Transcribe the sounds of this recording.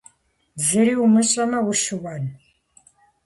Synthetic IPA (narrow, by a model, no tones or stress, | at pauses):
zɨɾiːumɨɕʼɐmɐwʊʃɨwɐn